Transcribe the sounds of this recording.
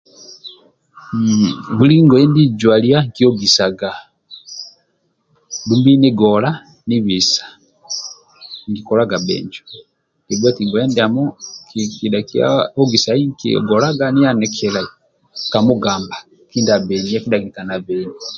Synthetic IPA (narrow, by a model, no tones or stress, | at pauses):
βuliŋɡɔɛndid͡ʒwaliaŋkiɔɡisaɡa | dumbineɡɔla | niβisḁ | ŋɡikɔlaɡabɛ̰ɲd͡ʒɔ | ɡ̥ibakiŋɡɔjɛndiamɔkikidakia̰ɔɡisaiŋkḭɔ̰ɡɔlaɡanijanɛkʰɛla | kamuɡamba | kindabɛɲakidakitanaβɛɲi